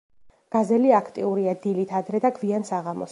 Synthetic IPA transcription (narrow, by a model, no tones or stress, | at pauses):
ɡ̥azɛliakʰt̪ʼiuɾiad̪ilit̪ʰad̪ɾɛd̪aɡʰviansaʁamɔ̰s